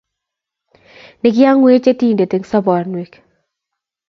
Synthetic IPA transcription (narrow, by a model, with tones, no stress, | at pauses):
nɪ˨ɡɪ˦a˦ŋwe˦t͡ʃe˦ti˦˨nde˨te˨ŋsɔ˦bɔ˨nwi˨k